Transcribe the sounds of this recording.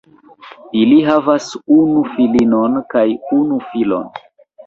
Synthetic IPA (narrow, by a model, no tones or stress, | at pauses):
iliɦavasunufilinonkajunufilo̞̰n